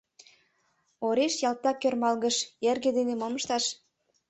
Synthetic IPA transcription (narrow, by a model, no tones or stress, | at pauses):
oɾeʃjɑlt̪ɑkørmɑlɣə̆ʃerɣĕd̪enemoməʃt̪ɑʃ